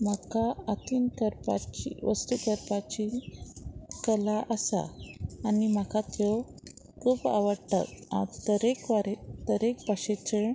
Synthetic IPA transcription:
məkaat̪inkəɾpa̰t͡ɕiʋəst̪ukəɾpat͡ɕi | kəlaʔəsa̰anim̤akat̪jɔ | kʰuːpa̰ʋəɾʈə̰ka̰t̪əɾekʋaɾet̪əɾekbʱaɕet͡ɕəɳ

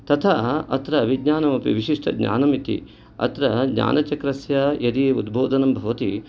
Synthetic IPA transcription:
t̪ɐt̪ʰaːɐ̰t̪ɾɐʋiɡɲaːnɐmɐpḭʋiʃiʂʈɐ̰ɡɲa̰ːnɐmit̪ḭ | ɐ̰t̪ɾɐɡɲa̰ːnɐt͡ʃɐkɾɐsjɐjɐd̪iud̪bʱoːd̪ʱɐnɐmbʱɐʋɐt̪i

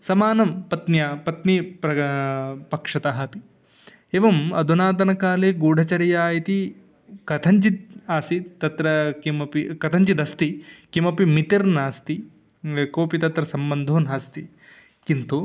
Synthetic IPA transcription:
sɐmaːnɐmpɐt̪njaːpɐt̪nipɾɐ | pɐkʂɐt̪aɦɐpi | eːʋɐmɐd̪ʱunaːd̪ɐnɐkaːleːɡuːɖʱɐt͡ʃɐɾɐjaːjit̪i | kɐt̪ʰɐɲt͡ʃit̪aːsit̪ɐt̪ɾɐkimɐpikɐt̪ʰɐɲt͡ʃid̪ɐst̪ikimɐpimit̪iɾnaːst̪i | koːpit̪ɐt̪ɾɐsɐmbɐnd̪ʱoːnaːst̪i | kint̪u

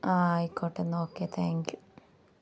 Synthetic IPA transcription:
aikːoːʈːenːoːkːet̪ʰaːŋkju

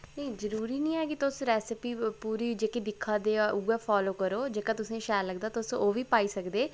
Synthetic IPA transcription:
nəĩzəɾuːɾiːnĩːɛːkɪt̪ʊsɾɛːsɪpiːpuːɾiːd͡ʒeːkid̪ɪkʰːãːd̪eːʔuːɛːpʰaːloːkəɾoːd͡ʒeːkãːt̪ʊsẽːʃɛːləɡd̪aːt̪ʊsoːʋiːpaːiːsəkd̪eː

